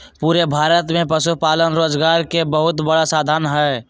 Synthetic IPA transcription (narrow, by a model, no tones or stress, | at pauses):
puɾebʱaːɾət̪mẽpəsuɦpaːlənɾoːd͡ʒɡaːɾkebəɦʊt̪bəɽasaːd̪ʱaːnɦɛ